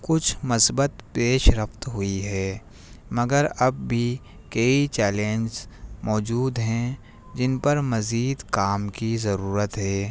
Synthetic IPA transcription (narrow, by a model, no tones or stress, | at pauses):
kʊt͡ʃʰmɐsbət̪peːʃɾɐft̪ɦʊiɦɛː | mɐɡəɾɐb̚ːʱi | kɐit͡ʃɛːlẽːnd͡ʒzmɔːd͡ʒuːd̪ɦɛ̃ | d͡ʒɪnpɐɾmɐziːd̪kaːmkizɐɾuːɾət̪ɦɛː